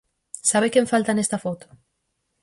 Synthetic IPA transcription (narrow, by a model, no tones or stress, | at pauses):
saβekeɱfalt̪anest̪afot̪u̥